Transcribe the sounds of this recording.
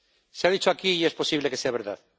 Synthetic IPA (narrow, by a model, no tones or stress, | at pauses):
seaðit͡ʃoakiːespo̞siβlekeseaβ̞eɾða̰ð